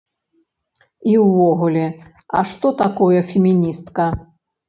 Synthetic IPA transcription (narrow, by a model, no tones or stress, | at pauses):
iwːɔɣulʲɛ | ɐ̰ʂt̪ɔt̪akɔjɛfʲɛmʲinʲist̪kɐ